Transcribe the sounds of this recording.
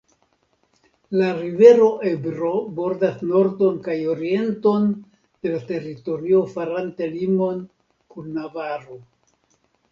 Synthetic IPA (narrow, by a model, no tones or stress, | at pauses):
laɾive̞ɾo̞ʔe̞bɾo̞bo̞ɾdasno̞ɾdo̞nkajo̞ɾie̞nto̞n | d̥e̞late̞ɾito̞ɾio̞faɾantelimo̞n | kunːavaɾo